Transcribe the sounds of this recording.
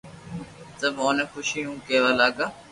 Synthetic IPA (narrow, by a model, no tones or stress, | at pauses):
t̪əboːneːxʊʃijũːkeːʋaːlaːɡaː